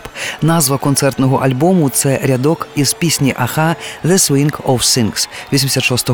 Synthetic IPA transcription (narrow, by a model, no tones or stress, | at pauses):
pnazvɐkɔnt̪sɛrt̪nɐɣɐʔalʲbɔmut̪sɛɾʲad̪ɔkiz̥pʲisʲnʲiʔaxaðɛswʲinkʰɔwsʲinksvʲɔsʲimdʲsʲɐt̪ʂɔst̪ɐ